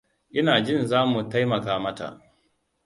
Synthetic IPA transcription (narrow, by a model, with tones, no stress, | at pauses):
ʔɪ˦naː˨d͡ʒɪ˦˨nzaː˦mu˨ta˦jmɐ˨kaː˨mɐ˦ta̰˨ʔ